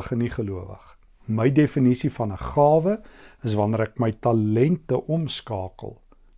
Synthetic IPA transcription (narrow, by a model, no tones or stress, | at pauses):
əχəniχəluəvə̰χ | məjdefənisifɐnəχɑːvəəsvɐnəɾækməjtɐlɛntəʔɔmskɑːkə̰lˠ